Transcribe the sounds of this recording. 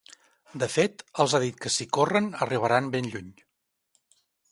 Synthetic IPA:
d̪əfet̪əlˠzaðit̪̚kəsikorənəriβ̞əɾanbenʎuɲ

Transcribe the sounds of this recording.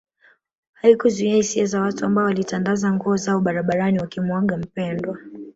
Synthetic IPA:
haikuzuiahisiazawatuambaɔwalitanɡazaŋɡuɔzaɔɓaɾaɓaɾaniwakimwɔɡam̩pɛndwa

